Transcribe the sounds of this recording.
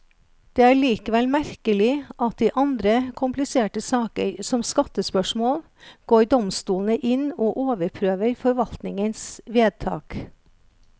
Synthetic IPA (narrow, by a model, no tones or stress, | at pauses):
d̪̥eːæːɭiːkəʋɛlmæɾkəlɪʔɑt̪̚d̪iːʔɑnd̪ɾəkʰʊmplɪseːʈəsɑːkəɾsɔmskɑt̪əspœʃmoːl | ɡ̥oːɾɖɔmst̪uːln̩əʔɪnoːʔoːʋəɾpʰɾøːʋəɾfɔɾʋɑlt̪nɪŋənsʋeːd̪̚t̪ʰɑ̰ːk